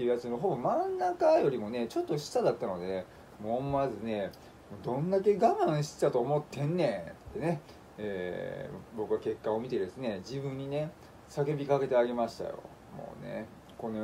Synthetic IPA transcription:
t̪ːeiɯ̟jat͡sɨnoɦo̞bo̞mãnːakajo̞ɾʲimo̞ne̞t͡ɕo̞t̪ːo̞ɕi̥sad̪at̪ːanod̪e̞ | moːmazɨne̞ | moːd̪õ̞nd̪ak̬e̞ɡamãɰ̃ɕi̥t̪t̪at̪o̞ːmo̞t̪ːẽ̞nːet̪ːe̞ne̞ | eː | bo̞kɯake̞kːao̞mʲit̪e̞d̪e̞sɨne̞d͡ʑibɯ̟̃ɲ̟ːine̞ | sake̞bʲikake̞t̪e̞aɡe̞maɕi̥t̪a̰jo̞̰ | mo̰ːne̞̰ | ko̞no

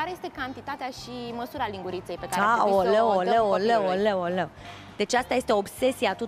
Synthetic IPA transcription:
aɾeje̞st̪ekant̪it̪at̪eaʃiməsuɾaliŋɡuɾit̪sejpekaɾeaoləoləoləoləolə | d̪e̞t͡ʃast̪aje̞st̪eobse̞siat̪u

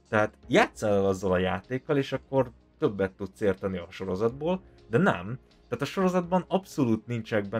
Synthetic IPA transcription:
t̪ɛɦaːt̪jaːt̪sɛlɛlɒzːɒlɒjaːt̪eːkːɒleːʃɒkːo̞r | t̪ø̞bːɛt̪ːut̪seːrt̪ɛniɒʃo̞ɾo̞zɒd̪̚boːl | d̪ɛnɛ̰m | t̪æːt̪ɒʃo̞ɾo̞zɒd̪̚bɒnɒpso̞luːt̪nint͡ʃɛɡ̚bɛ

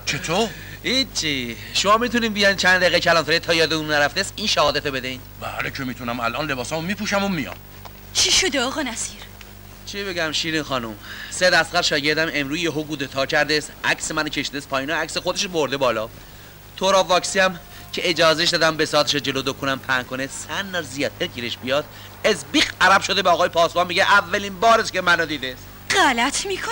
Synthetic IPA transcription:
t͡ʃʰet̪ʰoːɾ | hit͡ʃʰːi | ʃomɒːmit̪uniːnbijɒjnt͡ʃʰænd̪æɣecʰælɒːnt̪æɾet̪ʰɒːjɒːd̪eunnæɾæft̪esiːnʃæhɒːd̪æt̪obe̞d̪eiːnbæ̰lecʰemiːt̪ʰunæmælʔɒːnle̞bɒːsɒmomipuːʃæmomijɒ̰m | t͡ʃʰiʃod̪eɒːɣɒːnæsiɾ | t͡ʃʰibeɟæmʃiːɾiːnxɒːnumsed̪æst̪ɣæɾʃɒːɟe̞ɾd̪æme̞mɾuːzjeɦoɡuːd̪ot̪ʰɒːcʰæɾd̪esʔæksemænocʰeʃid̪espʰɒːjiːnɒæcsexod̪e̞ʃboɾd̪e̞bɒːlɒː | t̪ʰoɾɒːvɒːksiæm | cʰe̞ed͡ʒɒːzeʃ̬d̪ɒːd̪æmbesɒːt̪ʰeʃɔd͡ʒe̞lod̪okʰunæmpʰæŋkʰonesænːɒːzijɒːt̪̚ʰeɾcʰiːɾeʃbijɒːd̪̥̚ | esbiːxʔæɾæbʃod̪ebeɒːɣɒːjepʰɒːsbɑmːiɟeʔævːælinbɒːɾescʰemænɔd̪iːd̪es | ɢælæt̪ʰmikʰo

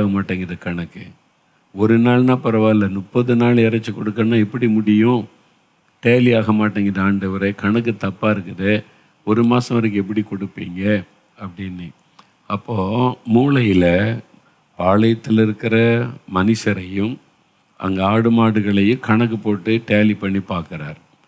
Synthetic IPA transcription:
ɣɐmaːʈːeːŋɡɪɾɐðɐkɐɳɐkːɯ | ɔɾɯnaːɭnãːpɐɾɐʋaːɪlːɐnʊpːɐðɯnaːlɪɾɐt͡ʃːɯkɔɽɯkːɐnːaːɛpːɐɽimʊɽɪjʊ̃ | ʈeːlɪaːɣɐmaːʈːeːŋɡɾɐðɐaːɳɖɐʋɐɾɐkɐɳɐk̬ːɯt̪ɐpːaːɪɾɯkːɯðɯ | ɔɾɯmaːsɐ̃ʋɐɾɐk̬ːɯɛpːɐɽikɔɽɯpːiːŋɡɐ | ɐpːɐɽɪnːɯ | ɐpːoːmuːlɐjɪlɐ | paːɭɐjɐt̪ːɪlɪɾɯkːɪɾɐmɐnɪsɐɾɐjɯ̃m | ʔɐ̰ŋɡɐaːɽɯmaːɽɯɣɐɭɐjɯ̃kɐɳɐk̬ːɯpoːʈːɯʈeːlipɐɳːipaːɾkɯɾaːɾ

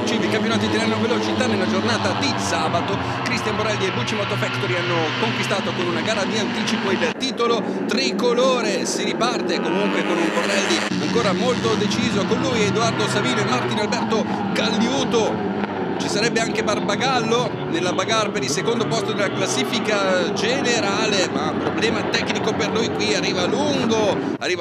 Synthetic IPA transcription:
t͡ʃid̪ikampjonaːt̪id̪iɾanːovelot͡ʃit̪anːelːad͡ʒornaːt̪ad̪isaːbat̪o | kɾist̪jamboɾɛld̪iebut͡ʃːimɔt̪ːofɛkt̪oɾianːokoŋkwist̪aːt̪okonunaɡaːɾad̪iant̪iːt͡ʃipoilt̪iːt̪olo | t̪ɾikːoloːɾesiɾipart̪ekomuŋkwekonuŋborːɛld̪i | aŋkoːɾamolt̪od̪et͡ʃiːzokonluːjed̪oard̪osaviːnoemart̪inalbɛrt̪o | kalːjuːt̪o | t͡ʃisaɾɛbːeaŋkebarbaɡalːo | nelːabaɡarpeɾilsekond̪opɔst̪od̪elaklasːiːfikad͡ʒeneɾaːlemapɾoblɛːmat̪ɛkːnikoperlujkwiarːiːvaluŋɡo | arːiːva

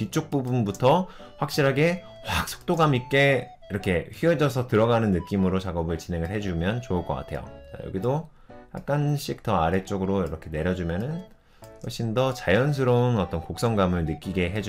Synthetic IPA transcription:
pit͡ɕ͈ʰok̚p͈ubunbutʰʌ | ɸwak̚ɕ͈iɾɦaɡe̞ | wak̚s͈ʰo̥k̚t͈oɡamik͈e̞ | iɾʌkʰe̞ɸied͡ʑʌsʰʌtɯɾʌɡanɯnːɯk͈imɯɾot͡ɕaɡʌbɯɭt͡ɕine̞ŋɯɭɦe̞d͡ʑumjʌnt͡ɕouɭk͈ʌk͈a̰tʰe̞̰jo̰t͡ɕa̰jʌ̰ɡido | ja̰k̚k͈anɕ͈ik̚t͈ʌaɾe̞t͡ɕ͈oɡɯɾoiɾʌkʰe̞ne̞ɾjʌd͡ʑumjʌnɯn | wʌɭɕ͈ʰindʌt͡ɕajʌns̬ʰɯɾounʌt͈ʌnkok̚s͈ʌŋɡamɯɭnɯk͈iɡe̞ɦe̞d͡ʑu

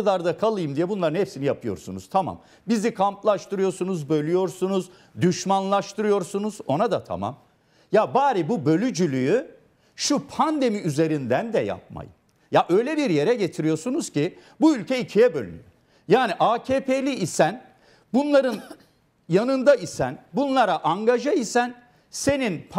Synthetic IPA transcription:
d̪aɾd̪akʰalˠɯjɯmd̪ijɛbunlˠaɾɯnhepsinijapʰɯjo̞̰ɾsunṵz̥t̪ʰama̰m | bizikʰamt̪lˠaʃt̪ɯɾɯjo̞ɾsunuzbø̞lʲyjo̞ɾsunuz | d̪yʃmanlˠaʃt̪ʰɯɾɯjo̞ɾsunuz̥o̞nad̪at̪ʰa̰ma̰m | jabaːɾibubø̞lʲyd͡ʒylʲyjy | ʃupʰand̪e̞miyze̞ɾind̪ænd̪ɛja̰p̚ma̰jɯ̰ | jaʔø̞jlʲɛbiɾje̞ɾɛɟe̞t̪ʰiɾijo̞sunuz̥cibuylʲcʰɛicʰijɛbø̞lʲyy̰jo | jaːniʔaːcʰeːpʰelʲiːsæn | bunlˠaɾɯn | janɯnd̪aisæ̰nbunlˠaɾaʔaŋɡaʒaisæn | se̞ninpʰ

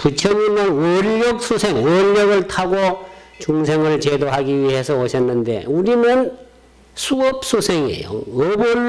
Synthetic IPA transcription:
put͡ɕʰʌnuɲʌnwʌʎːʌk̚sʰosʰeŋwʌʎːʌɡɯɭtʰaɡo | t͡ɕuŋsʰeŋaɭt͡ɕedoɦaɡiɥiɦe̞sʰʌoɕʰʌnːɯnde̞̰uɾinɯn | sʰuʌp̚s͈ʰosʰeŋiḛjo̰ʌbo

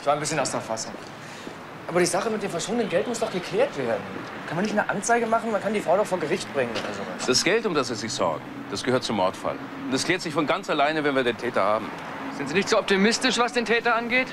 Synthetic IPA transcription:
sv̥aːnbɪsçənaʊsdɛɐfasʊŋ | ʔaːbɐɾiːzaχəmɪt̚d̥eːmfɛɐʃoːəndənɡɛltmʊsd̥ɔχɡ̥əkʰl̥ɛːɐtv̥eːɐdn̩ | kʰanmanɪçtnəʔant͡saɪɡəmaχn̩mankʰandiːfʁ̥aʊdɔχfoːɐɡəʁɪçtb̥ʁɪŋəno̰ːdɐzo̰ːva̰sd̥asɡ̥ɛltʊmdasviːzɪçz̥ɔ̰ɐɡŋ̩ | d̥asɡ̥əhøɐt̚t͡sʊmːɔɐtfa̰l | ʊntɛskleːtz̥ɪçfɔnɡant͡salaɪnəvɛnviːɐdeːntʰɛːtɐha̰ːbm̩ | z̥ɪntziːnɪçtz̥oːɔp̚timɪstɪʃv̥asd̥eːntʰɛːtɐʔanɡeːt

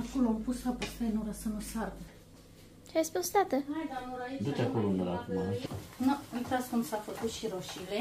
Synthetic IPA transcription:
ako̞loampusfapəfanuɾasənusarɡe | t͡ʃeajspusd̪at̪əmajd̪anoɾad̪ut͡ʃ̪akolond̪uɾa̰kumanuujt̪at̪skumsafəkut̪ʃiɾoʃile

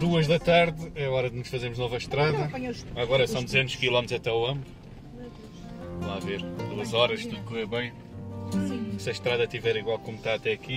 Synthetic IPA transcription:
d̪uɐʒðɐt̪aɾðɛɐɔɾɐðnuʃfɐzemuʒnɔvɐʃt̪ɾaðɐvɐjɐɐɣɔɾɐsɐ̃w̃d̪uzẽnt̪uʃkilˠɔmt̪zɐt̪ɛuɐ̃mbu | lˠaveɾd̪uɐzɔɾɐʃt̪uðukoɛβɐ̃j̃ | sɐʃt̪ɾaðɐt̪ivɛɾiɣwalˠkomt̪aɐt̪ɛɐki

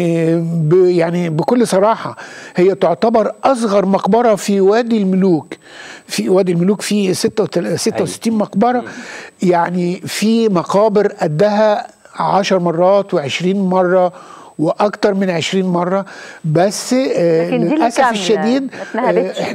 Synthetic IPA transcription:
bjaʕnibɪkʊlːsˤɑɾˤɑːħɑhejːæt̪oʕt̪ɑbɑɾˤʔɑs̬ˤɣɑɾˤmɑqbɑɾˤɑfiwæːd̪ilmʊluːk | fiwæːd̪ilmʊluːkfiːset̪ːæset̪ːæwsɪ̥t̪ːiːnmɑqbɑɾˤɑjaʕnifimɑqɑːbɪɾʔæd̪ːæɦæ | ʕaʃɑɾˤmɑrˤːɑːt̪weʕeʃɾiːnmɑrˤːɑ | wɪʔɑkt̪ɑɾˤmɪnʕeʃɾiːnmɑrˤːɑbæsːlelʔæsæfeʃːæd̪iːd̪̚

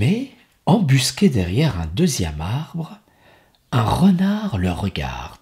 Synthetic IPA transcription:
mɛ | ɑ̃byskʲed̪ɛʁjɛʁɛ̃d̪øzjɛ̰maʁbʁ | ɛ̃ʁənaʁləʁəɡʲa̰ʁd̪̥

